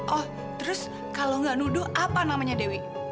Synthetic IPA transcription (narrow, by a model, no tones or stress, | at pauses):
ʔɔh | t̪əɾʊs | kaloŋɡaʔnudʊhʔapanamaɲadewɪ